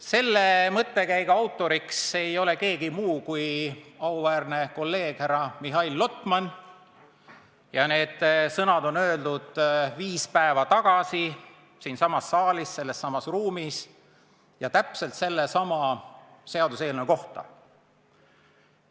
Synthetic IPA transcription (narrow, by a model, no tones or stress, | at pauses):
se̞lːe̞mɤt̪ːekæjɡ̥ɑwt̪ːˑo̞ɾikse̞jo̞le̞ke̞ːɡimuːkujɑuvæːrne̞ko̞lːe̞ːɡ̥hæɾɑmiɦɑilːo̞t̪ˑmɑn | jɑne̞ːd̪̥sɤnɑd̪o̞nøːld̪̥ud̪̥viːspæe̞vɑt̪ɑɡ̥ɑsi | siːnsɑmɑsːɑːlisse̞lːe̞sːɑmɑsruːmis | jɑt̪æpse̞lt̪se̞lːesɑmɑ | se̞ɑd̪use̞ːlneko̞ht̪ɑ̰